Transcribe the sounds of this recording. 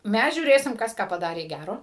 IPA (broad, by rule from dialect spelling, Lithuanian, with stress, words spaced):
ˈmʲæs ʒʲuːˈrʲeːsʲɪm ˈkɐs kɑː pɐˈdɑːrʲeː ˈɡʲæroː